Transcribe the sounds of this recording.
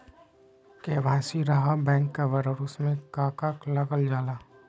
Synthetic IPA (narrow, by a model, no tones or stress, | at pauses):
keːʋaːsiɾɐɦabɛ̃ːŋkːaʋəɾɔːɾʊsmẽkaːkaːklɐɡəld͡ʒaːlaː